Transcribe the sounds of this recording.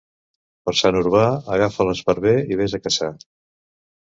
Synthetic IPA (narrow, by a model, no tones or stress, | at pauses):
pəɾsanuɾβaəɣafələzpəɾβeiβ̞ezəkəsa